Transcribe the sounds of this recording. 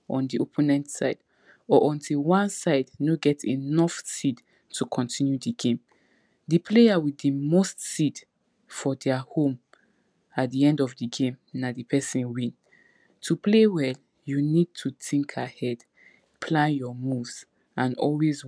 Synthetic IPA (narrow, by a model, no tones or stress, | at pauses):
ʔɔ̃ndiopʰɛ̃naɪtsaɪd | ɔʔɔ̃ntʰilwãnsaɪdnoɡɛtʰḭnɔfsid | tʰukʰɔ̃ntʰĩnjudiɡẽm | dipʰleawiðəmostsid | fɔdɛahõm | at̚diɛ̃ndɔvdiɡẽmnadipʰɛsĩnwĩn | tʰuplewɛl | junid̚tʰutʰĩŋkʰahɛd̥ | pʰlãnjɔmuvz̥ | ãnɔ̰lwez